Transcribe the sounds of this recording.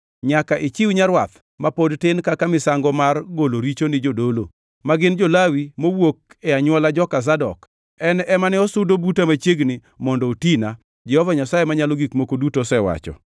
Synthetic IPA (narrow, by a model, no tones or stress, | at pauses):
ɲakaʔɪt͡ʃɪwɲaɾwat̪ | mapodtɪnkakamɪsaŋɡɔmarɡoloɾit͡ʃonɪd͡ʒodolo̰ | maɡɪnd͡ʒolawimowok̚ɛaɲwɔlad͡ʒɔkas̬adɔ̰k | ɛnɛmanɛɔsʊdobutamat͡ʃjeɡnɪ | mɔndɔotina | d͡ʒɛhɔvaɲasajemaɲalɔɡikmokodutosɛwa̰t͡ʃɔ̰